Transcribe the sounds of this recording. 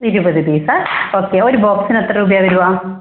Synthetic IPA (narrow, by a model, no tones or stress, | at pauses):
iɾubɐd̪ʱid̪isaɾoːkeːoɾibɔːksinɐt̪ːɾɐɾuːbjaʋiɾuʋaː